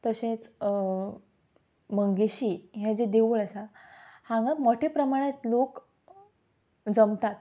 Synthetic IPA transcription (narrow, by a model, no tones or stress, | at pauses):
t̪əɕẽt͡s | məŋɡiɕiɦɛ̃d͡ʑed̪eʋuɭəsahãŋɡamoʈʰepɾəmaɽ̃jet̪lok | d͡zəmt̪at̪